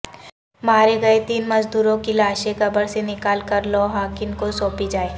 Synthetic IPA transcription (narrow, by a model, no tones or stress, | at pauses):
maːɾeɡɐet̪iːnmɐzd̪uːɾõkilaːʃekɐbəɽsenɪkaːlkɐɾlɔːɦaːkɪnkosoːpid͡ʒaːeː